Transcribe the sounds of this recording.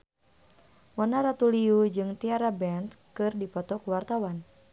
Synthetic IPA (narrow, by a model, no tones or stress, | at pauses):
mɔnaɾat̪uliud͡ʒɨŋt̪iaɾabɛnskɨrdipɔt̪ɔkuwart̪awan